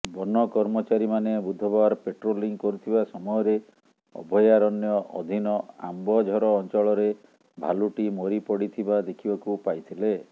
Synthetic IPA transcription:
bɔnːɔkɔɾmɔt͡ʃaɾimanebud̪ʱɔbaɾpeʈɾoliŋkɔɾut̪ʰibasɔmɔjɔɾe | ɔ̰bʱɔjaɾɔnjɔɔ̰d̪ʱinɔa̰mbɔd͡ʒʱɔɾɔːnt͡ʃɔɭɔɾe | bʱa̰luʈimoɾipɔɽit̪ʰibad̪ekʰibakupajt̪ʰile

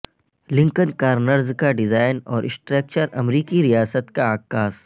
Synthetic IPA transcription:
lɪ̃ŋkənkaːɾnəɾzkaɖɪzaːɪnɔːɾʔɪsʈɾeːk̚t͡ʃəɾɐmɾiːkiɾijaːsət̪kaaːkːaːs

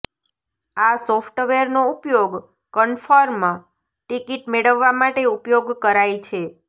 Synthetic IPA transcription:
asofʰʈʋeɾnoupjoɡ | kəɳfaɾmã | ʈikiʈmeɭəʋːamaʈeupjoɡkəɾajt͡ʃʰe

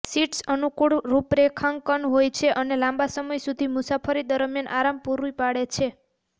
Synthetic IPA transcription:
siʈsənukuɽɾupɾekʰaŋɡkənɦojt͡ʃʰeʔənelãmbasəməjsud̪ʱimusapʰəɾid̪əɾmjanʔa̰ɾampuɾuipaɽet͡ʃʰe

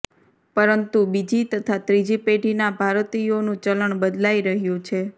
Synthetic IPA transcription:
pəɾənt̪ubid͡ʒit̪ət̪ʰat̪ɾid͡ʒipeɖinabʱaɾt̪ionũt͡ʃələɳbəd̪laiɾəɦjũt͡ʃʰe

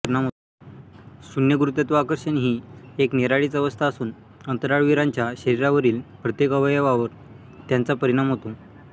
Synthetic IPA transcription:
ɾɽamɦo | sunjəɡuɾut̪jat̪ʋakəɾɕəɳɦiːekniɾaɭiːt͡səʋəst̪ʰaːsuːn | ənt̪əɾaɭʋiɾaɲt͡ɕjaɕəɾiɾaʋəɾiːlpɾət̪jekəʋəjəʋaʋəɾ | t̪jant͡sapəɾiɽ̃amɦot̪o

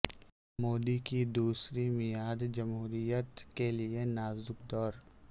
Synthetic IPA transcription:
moːd̪ikid̪uːsɾimɪjaːd̪d͡ʒɐmɦuːɾijət̪kelienaːzʊkd̪ɔːɾ

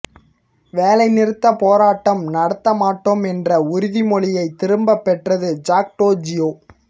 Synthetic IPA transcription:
ʋeːlɐɪnɪɾɯt̪ːɐpoːɾaːʈːɐmnɐɽɐt̪ːɐmaːʈːoːmɛndrɐʊɾɪðimɔɭɪjɐɪt̪ːɪɾɯmbɐpːɛʈrɐðɯd͡ʒaːk̚ʈoːd͡ʒɪjoː

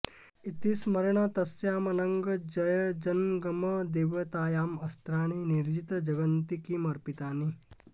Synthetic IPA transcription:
it̪iːsmɐɾɐɳ̃ɐt̪ɐsjaːmɐnɐŋɡɐd͡ʒɐjəd͡ʒɐnɡɐmɐd̪eːʋɐt̪aːjaːmɐst̪ɾaːñiniɾd͡ʒit̪d͡ʒɐɡɐnt̪ikimɐɾpit̪aːni

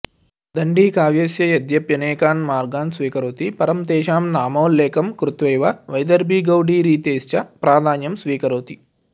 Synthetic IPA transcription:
d̪ɐɳɖiːkaːʋjeːsjɐjɐd̪jɐpjɐnɛːkaːnmaːɾɡaːnsʋiːkɐɾoːt̪ipɐɾɐmt̪ɛːʃaːmnaːmɐːlːɛːkɐmkɾut̪ʋɐjʋɐʋɐjd̪ɐɾbʱiːɡɐwɖiːɾiːt̪eːst͡ʃɐpɾaːd̪ʱaːnjɐmsʋiːkɐɾoːt̪i

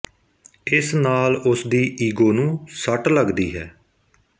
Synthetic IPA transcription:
ɪsnaːlʊsd̪iːʔiːɡoːnũːsəʈləɡd̪iːɦɛː

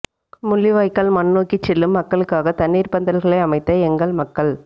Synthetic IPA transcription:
mʊɭːiʋaːjkːɐɭmɐnːoːkːɪt͡ʃːɛlːɯmːɐkːɐɭɯkːaːɣɐt̪ɐnːiːɾpɐnd̪ɐlɣɐɭɐɪɐmɐɪt̪ːɐɛŋɡɐɭmɐkːɐɭ

